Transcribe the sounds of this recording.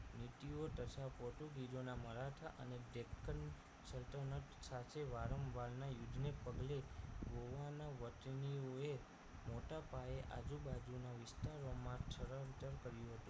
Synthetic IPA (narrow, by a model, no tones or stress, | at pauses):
nit̪iot̪ət͡ʃʰapoʈuɡiɾonaməɾaʈʰaʔə̰neɖekʰːən | səlt̪ənəʈsat̪ʰeʋaɾəmʋalnajud͡ʒnepəɡleʋoʋanaʋəʈnioe | moʈapaeʔa̰d͡ʒubad͡ʒunaʋɪst̪aɾomãʈʰəɾənt̪əɾkəɾjũɦət̪ũ